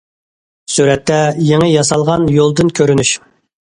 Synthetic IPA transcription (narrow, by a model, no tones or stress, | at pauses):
syɾɛt̪ʰːɛjeŋɪjɑsɑlˠʁɑnjolˠd̪ɨnkʲʰøɾynyʃ